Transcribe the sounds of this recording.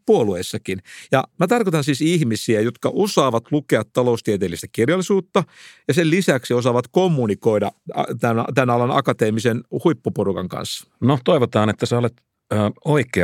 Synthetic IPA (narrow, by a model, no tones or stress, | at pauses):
puolueːsːɑkinjɑmæt̪ɑrkot̪ɑnsiːsihmisiæjot̪kɑʔosɑːʋɑt̪lukeɑt̪tːɑloust̪iet̪eːlːist̪æ̥kirjɑlːˑisuːt̪ːɑjɑsellisæksiosɑʋɑt̪komːunikoidɑ̰ɑ̰t̪ænt̪ænɑlɑnɑ̰kɑt̪eːmisenhuipːoporukɑ̰ŋkɑ̰nsːɑ̥not̪oiʋot̪ɑːnet̪ːæsæolet̪ː | oikˑe